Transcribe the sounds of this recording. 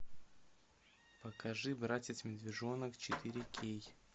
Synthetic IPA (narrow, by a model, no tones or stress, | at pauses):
pəkɐʐɨbɾatʲɪsmʲɪd̪vʲɪʐonəkt͡ɕɪt̪ɨɾʲɪkʲʰej